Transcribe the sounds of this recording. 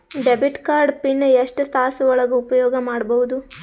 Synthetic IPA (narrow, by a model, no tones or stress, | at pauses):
ɖebiʈkaːɾɖpinːjeʂʈɐst̪ʰaːɦɐsɐʋɔɭɐɡuupɐjɔːɡɐmaːɽbɐʋud̪u